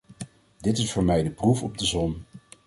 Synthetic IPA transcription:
dɪtɪsfʊːɹmɛjdəprufɔb̚dəzɔn

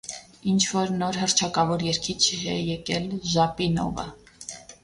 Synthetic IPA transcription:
int͡ʃʰvɔɾnɔɾɦəɾt͡ʃʰɑkɑvɔɾjɛɾkʰit͡ʃʰɛjɛkɛlʒɑpinɔ̰və̰

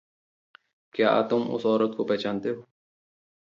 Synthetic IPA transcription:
kjaːʔa̰t̪umʊ̰sɔːɾət̪̚kopet͡ʃant̪e

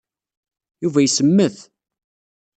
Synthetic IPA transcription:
juvæjsəmːəθ

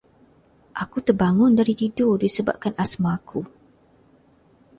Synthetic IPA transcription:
ʔakut̪ərbaŋʊndaɾit̪idʊdisəba̰p̚kanasmaːkʰu

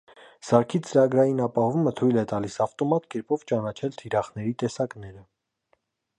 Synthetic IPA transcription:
sɑɾkʰit͡səɾɑɡɾɑjinɑpɑhɔvumət̪ʰujlɛt̪ɑlisɑft̪ɔmɑt̪kɛɾpɔvt͡ʃɑnɑt͡ʃʰɛlt̪ʰiɾɑχnɛɾit̪ɛsɑknɛɾə

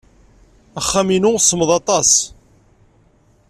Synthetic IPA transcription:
æχːæminʊsːəməðˤɑt̪ˤɑs

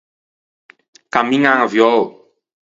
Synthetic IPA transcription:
kamĩŋãŋavjɔo

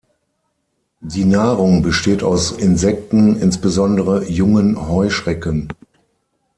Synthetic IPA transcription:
diːnaːʁʊŋbəʃteːtaʊsɪnzɛk̚tn̩ɪnsb̥əzɔndəʁəjʊŋənhɔʏʃʁ̥ɛkən

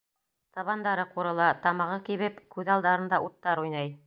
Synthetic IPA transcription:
t̪ɑβɑnd̪ɑɾɤquɾɤ̆lˠɑt̪ɑmɑʁɤkiβɘpkʉðɑlˠd̪ɑɾɤ̆nd̪ɑʔut̪ːɑɾujnɑj

